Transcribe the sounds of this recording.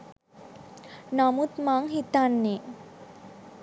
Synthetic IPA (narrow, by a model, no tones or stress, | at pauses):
namut̪maŋɦit̪anːe